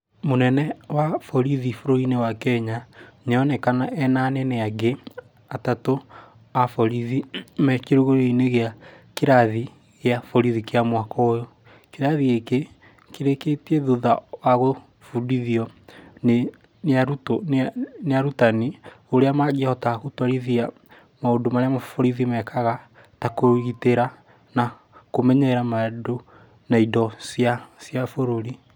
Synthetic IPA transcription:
monɛnɛwafɔɾiðifoɾoinewakɛɲaɲɔnɛkanaʔɛnaneneaɡe | atato | afɔɾiðimɛkiɾoɣoɾeineɣeakeɾaði | ɣeafɔɾiðikeamwakɔojo | keɾaðiɣeke | keɾeketieðuðawaɣo | fudiðiɔne | neaɾutoneaɾutani | oɾeamaɣiahɔtaɣotaɾiðia | maodomaɾeamafoɾiðimɛkʰaɣa | takoɣiteɾa | na | komɛɲɛɾamado | naidɔsjasjafoɾoɾi

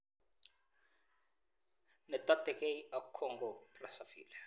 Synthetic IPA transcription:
nɛt̪at̪ɛkeiakʰɔŋɡɔprasafḭːla

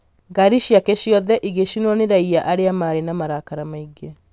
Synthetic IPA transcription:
ɡaɾiɕjakeɕjɔðɛʔiɣeɕinwɔneɾaiaʔaɾeamaɾenamaɾakaɾamaiɡe

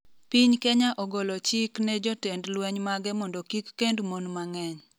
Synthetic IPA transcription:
piɲkeɲaʔɔɡɔlɔt͡ʃiknɛd͡ʒɔtendlwɛɲmaɡɛmɔndɔkikːendmonmaŋɛɲ

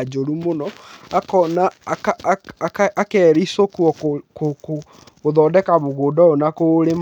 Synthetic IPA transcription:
d͡ʒoɾumonɔakɔnakakakɛɾisokwɔkkoko | oðɔːdɛkamoɣoːdɔonakoɾem

